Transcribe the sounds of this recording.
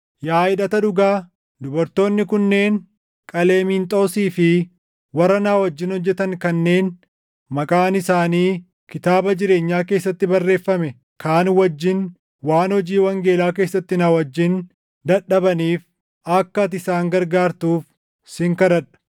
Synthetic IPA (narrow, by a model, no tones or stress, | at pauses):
jaːɪᶑɐt̪ɐᶑʊɡaː | d̪ʊbɐɾt̪o̞ːnːɪkʊnːe̞ːn | kʼɐleːmiːnt̪ʼoːsiːfɪ | wɐrːɐnaːwɐd͡ʒːɪnhɔd͡ʒːɛt̪ɐŋkɐnːe̞ːn | mɐkʼaːnɪsaːniː | kɪt̪aːbɐd͡ʒɪɾe̞ːɲːaːke̞ːsːɐt̪ːɪbɐrːe̞ːfːɐmɛ | kʰaːnwɐd͡ʒːɪn | waːnhɔd͡ʒiːwɐŋɡe̞ːlaːke̞ːsːɐt̪ːɪnaːwɐd͡ʒːɪn | d̪ɐᶑɐbɐniːf | ɐkːɐt̪ɪsaːŋɡɐɾɡaːɾt̪uːf | sɪŋkɐɾɐᶑɐ̥